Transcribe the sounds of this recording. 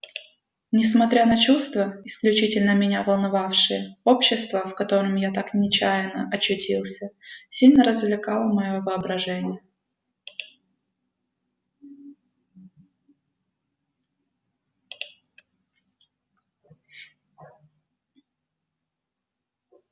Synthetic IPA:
nʲɪsmɐt̪ɾʲanət͡ɕust̪vəɪsklʲʉt͡ɕitʲɪlʲnəmʲɪnʲavəlˠnɐvafʂɨjəopɕːɪst̪vəfkɐt̪o̞ɾɨmjat̪aknʲɪt͡ɕæjɪnə̰ʔɐɕʉtʲʰilˠsʲəsʲilʲnəɾəzvlʲɪkɑlˠəmɐjo̞vɨɐbɾɐʐɛnʲɪjə

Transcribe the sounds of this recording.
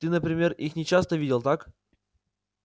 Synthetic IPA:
t̪ɨnəpɾʲɪmʲe̞rixnʲɪt͡ɕast̪əvʲidʲɪlˠt̪ak

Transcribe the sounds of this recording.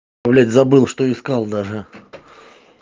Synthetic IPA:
ɐvlʲætʲzɐbɨlˠʂt̪oɪskɑlˠd̪aʐɨ

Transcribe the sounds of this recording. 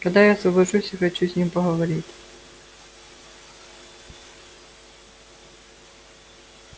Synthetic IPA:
kɐd̪ɛjazɔbɪʃusʲixɔt͡ʃːuzʲnʲimpɔɦɔʋɔɾʲit̪ʲ

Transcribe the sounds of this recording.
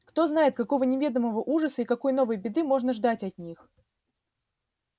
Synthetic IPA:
kt̪o̞zn̪ajɪt̪̚kɐko̞vənʲɪvʲe̞d̪əməvəʔuʐəsəikɐko̞jno̞vəjbʲɪd̪ɨmo̞ʐnəʐd̪atʲɐt̪̚ʲnʲix

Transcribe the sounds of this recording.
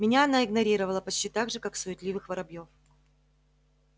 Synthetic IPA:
mʲɪnʲaɐnaɪɡnɐɾʲiɾəvəlˠəpɐt͡ɕtʲit̪aɡʐɨkaksʊjɪt̪lʲivɨxvəɾɐbjo̞f

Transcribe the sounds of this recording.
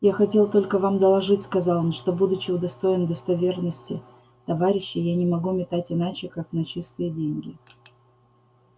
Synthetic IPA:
jaxɐtʲe̞lˠt̪o̞lʲkəvamd̪əlˠɐʐɨtʲskɐzɑlˠnʂt̪o̞bud̪ʊt͡ɕɪʊd̪ɐst̪o̞ɪnd̪əst̪ɐvʲe̞rnəsʲtʲɪ | t̪ɐvaɾʲɪɕːɪjanʲɪmɐɡumʲɪt̪atʲɪnat͡ɕɪkaknɐt͡ɕist̪ɨjədʲenʲɡʲɪ

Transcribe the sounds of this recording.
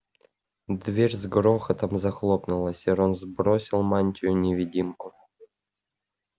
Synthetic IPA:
d̪vʲerʲzɡɾoxət̪əmzaxlˠopnulˠəsʲeɾonzbɾosʲilˠmanʲtʲɪjunʲevʲidʲimku

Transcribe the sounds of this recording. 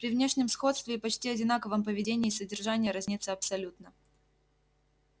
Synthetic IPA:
pɾʲɪvnʲe̞ʂnʲɪmsxo̞t̪st̪vʲɪpɐt͡ɕtʲiɐdʲɪnakəvəmpəvʲɪdʲenʲɪːsədʲɪrʐanʲɪjəɾazʲnʲit̪sɨɐpsɐlʲut̪nə

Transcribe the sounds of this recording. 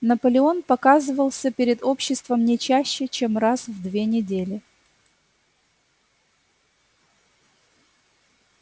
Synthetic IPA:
nəpəlʲɪo̞npɐkazɨvəlˠsʲəpʲɪɾʲɪd̪o̞pɕːɪst̪vəmnʲɪt͡ɕæɕːɪt͡ɕemrasvd̪vʲenʲɪdʲelʲɪ

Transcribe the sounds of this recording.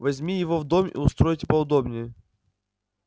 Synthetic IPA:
vɐzʲmʲijɪvovd̪omḭʊst̪ɾojtʲɪ̥pəʊd̪obnʲɪjə

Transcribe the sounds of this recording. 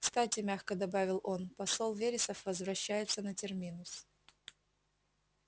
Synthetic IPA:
kst̪atʲɪmʲaxkəd̪ɐbavʲɪlˠo̞npɐsolˠvʲeɾʲɪsəfvəzvɾɐɕːæjɪt̪sənətʲɪrmʲinʊs

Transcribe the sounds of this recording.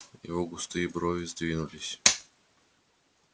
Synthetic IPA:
ivɔɡʊst̪ɨjibɾɔvʲizd̪ʲvʲinulʲisʲ

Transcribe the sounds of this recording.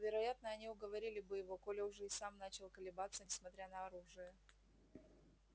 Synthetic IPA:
vʲɪɾɐjat̪nəɐnʲiʊɡəvɐɾʲilʲɪbɨjɪvo̞kolʲɪʊʐɛɪsamnat͡ɕɪlˠkəlʲɪbat̪sənʲɪsmɐt̪ɾʲanəɐɾuʐɨjə

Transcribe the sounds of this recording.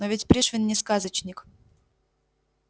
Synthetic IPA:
novʲɪtʲpɾʲiʂvʲɪnːʲɪskazət͡ɕnʲɪk

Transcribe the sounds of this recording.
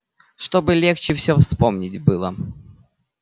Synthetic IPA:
ʂt̪obɨlʲext͡ɕɪfsʲɵfspomnʲɪtʲbɨlˠə

